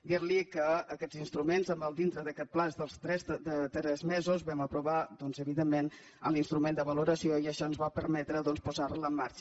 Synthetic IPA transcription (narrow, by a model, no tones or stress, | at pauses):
ɡiɾlikəːkɛd͡zinst̪ɾumenzəmbəlˠd̪int̪ɾəðəkɛt̪̚plazd̪əlˠst̪ɾɛsd̪ət̪ɾɛzmɛzuzβɛməpɾuβad̪ɔnzəβiðemːen | ə̰linst̪ɾumend̪əβəluɾəsioiəʃɔənzβapəɾmɛt̪ɾəðɔnspuzarləmːaɾt͡ʃə